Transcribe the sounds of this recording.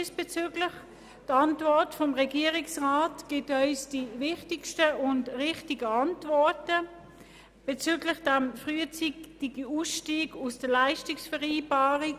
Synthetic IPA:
dɪsb̥et͡syːɡlɪχ | tɑntvɔɐtfɔmʁɛɡiːʁɪksʁaːtɡ̥ɪtœʏsd̥ivɪχtɪkʃtəʔʊndʁɪχtɪɡəɑntvɔɐtə | b̥et͡syːɡlɪχd̥amfʁyːət͡sitɪɡəuːsʃtiːɡusd̥əɐlaɪʃtɪksfɛʁiːbaːʁik

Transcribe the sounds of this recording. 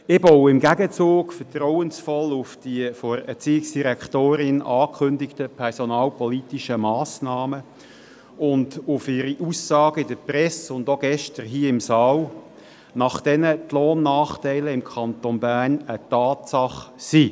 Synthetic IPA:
ɪbɔwɪmɡæɡət͡suːɡfətɾɔwənsfɔlʊfd̥iəfoːɾɛt͡siːɪksd̥iɾɛkχtoːɾɪnʔɑːkʰχʏndɪktəpʰɛʁsɔnɑːlpɔlitiʃəmɑːsnɑːmə | ʊndʊfɪɾiʔusːɑːɡəɪdəprɛsʊndoɡ̥ɛʃtəɾɦiːəɪmsɑːl | nɑχd̥ɛnət̪lɔːnːɑːχtɛɪləɪmkʰɑntonbæːʁnətɑːtsɑχsiː

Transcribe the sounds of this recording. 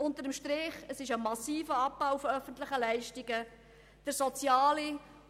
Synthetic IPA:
ʊnt̪əɾəmʃtɾɪχəsɪʃəmɑsiːfəɑpbawfɔœfənt̪lɪχəlæɪʃtiɡə | d̥əɾsɔt͡sjɑːli

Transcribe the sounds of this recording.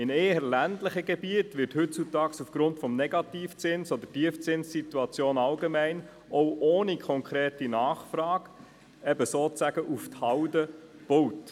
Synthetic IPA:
ɪneːəɾlændləχəɡebiətʋɪrthɵt͡sutɑːksufɡ̥ɾʊntfɔmnɛɡɑtiːft͡sɪnsod̪ətiəft͡sɪnsːituɑt͡sjoːnɑlɡemæɪn | ʔɔʊʔoːnikʰɔŋkʰɾeːtinɑːχfrɑːɡ | ɛbəsoːt͡sæɡ̥əʔufthɑwdəb̥owt

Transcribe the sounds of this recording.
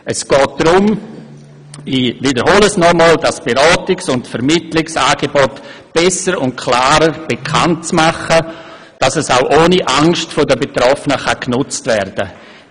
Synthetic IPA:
ʔəsɡ̥ɔːt̚d̥ɾʊm | iːvidəɾhɔləsnɔmɔːldasb̥eɾɔːtɪksʊntfɛɾmɪtlɪksaːɡ̥ebɔtb̥ɛsəɾʊnt̚kʰlaːɾəɾb̥ekʰant̚t͡smaχə | d̥asɛsaʊʔoːniʔaŋʃtfodəbetɾɔfənəχaknʊt͡stvɛɾdə

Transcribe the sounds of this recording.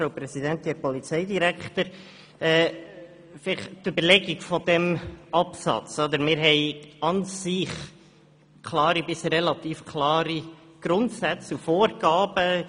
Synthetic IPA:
ɾowpɾɛsid̪ɛnt̪ɛpɔlit͡sɛɪd̪iɾækt̪əɾ | ɛ | fɪlɪχtʏbəɾlɛɡiɡfɔd̪ɛmɑpsɑ̰t͡sɔd̪əɾmɪːɾɦɛɪɑnsɪχ | kʰlɑːɾibɪsɛlɑt̪iːfkʰlɑːɾi | ɡ̥ɾʊnt̪sæt͡sufoːɾɡ̥ɑːb̥ə

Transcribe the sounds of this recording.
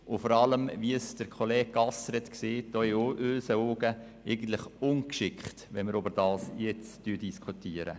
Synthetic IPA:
ʊfɔɾɑləmʋiəsd̥əɾkʰolɛːɡ̥̚ːɑsɾɛt̪kseːt̚d̥ɔːɪʔøːsəoːɡə | ɛɪɡən̩t̪lɪχʊnkʃɪkχtʋɛnməɾøbəɾd̥ɑːsjɛt͡styːdiskʰutiːəɾə̰

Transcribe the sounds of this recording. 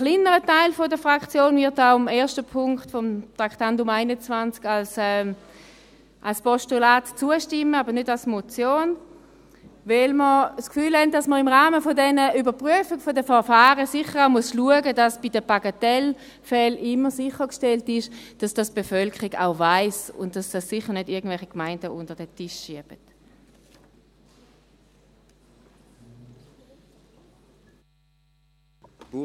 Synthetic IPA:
χlinəʁətaɪlfɔdəfʁakt͡sjoːnvɪɐtaʊamɛːɐʃtəpʰʊŋktfɔmtʁaktandʊmaɪnət͡svant͡skalsɛ | ʔalspɔʃtulaːtt͡suəʃtɪməaːbənʏdalsmɔt͡sjoːn | vɛlməskfyːlhɛnt̚d̥asməɪmʁaːməfɔdɛnəʔybɐpʁyəfɪɡfɔdəfɛɐfaːʁəsɪχəʁaʊmuəsluəɡədasb̥idəpaɡatɛl | fɛlʔɪmːəsɪχəkʃtɛltɪʃd̥asd̥asb̥efœlkʰəʁiɡa̰ʊvaɪsʊ̰ntd̥asd̥asːɪχəʁnʏdɪɐɡən̩dvɛlχikmaɪndəʔʊntəʁdɛtɪʃːiɐb̥ət

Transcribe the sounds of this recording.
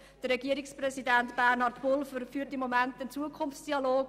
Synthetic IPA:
d̥əɾːɛɡiəɾɪksprɛsidæntb̥ærnɑrtpʊlfəfyːtɪmːomɛntənt͡suəkʰʊnft͡sd̥iɑloːk

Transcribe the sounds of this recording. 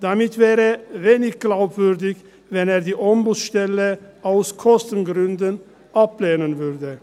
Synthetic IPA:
d̪̥ɑːmɪt̪ʰʋeːɾəʋeːnɪɡɡlaʊbʋʉɾd̪ɪɡ | ʋɛneːɾd̪iːʔɔmbuːsʃt̪ɛləaʊskʰɔst̪ənɡɾʉnd̪ən | ʔɑpleːnənʋʉɾd̪ə

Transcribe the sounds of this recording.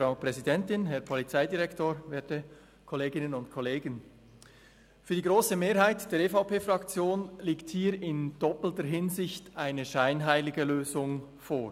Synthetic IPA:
fɾaʊpʁ̥ɛzidɛntɪnɦɛɾpʰɔlit͡saɪdiʁɛktoːɾveːɐtə | kʰɔleːɡɪnənʊntkʰɔleːɡən | fyːɐdiːɡʁoːsəmeːɾɦaɪtd̥eːɐɾefaʊpeːfʁɑkt͡sjoːnliːkthiːɾɪnd̥ɔpl̩təɾɦɪnzɪçtʔaɪnəʃaɪnɦaɪlɪɡəløːzʊŋ | foːɹ

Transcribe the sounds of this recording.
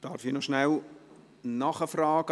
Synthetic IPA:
d̥ɑɾfinɔʃnɛl | nɑχəfrɑːɡ̥

